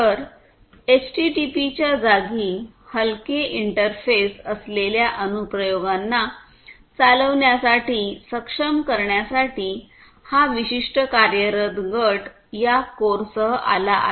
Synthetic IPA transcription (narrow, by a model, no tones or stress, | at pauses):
t̪əɾ | et͡ɕʈiʈipit͡ɕjad͡zaɡiː | həlkeiɳʈəɾfesəsleljaʔənupɾəjoɡanːa | t͡saləʋɳjasaʈiːsəkʂəmkəɾɳjasaʈiː | haʋiɕiʂʈəkaɾjəɾət̪ɡəʈ | jakoɾsəa̰laʔa̰